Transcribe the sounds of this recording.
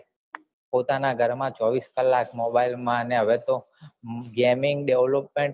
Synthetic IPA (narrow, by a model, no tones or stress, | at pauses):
pot̪anaɡʱəɾmãt͡ʃɔʋiskəlːakmobailmãəneɦəʋet̪o | ɡemɪŋɡɖeʋlopmẽɳʈ